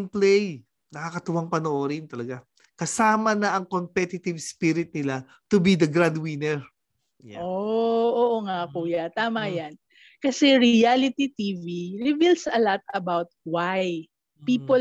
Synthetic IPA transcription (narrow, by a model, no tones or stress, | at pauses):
nplɛj | nɐkakɐt̪ʊwaŋpɐnoʔoːɾɪnt̪ɐlɐɡa | kɐsaːmɐnɐʔɐŋkompɛt̪ɪt̪ɪvspiɾɪt̪̚nɪla | t̪ʊbid̪ɐɡɾand̪winɛɹ | jʔooʔoŋakuːjɐt̪aːmɐjan | kɐsɛɹɪalɪt̪it̪iviɹɪvilsɐlat̪ɐbawt̪̚waj | piːpo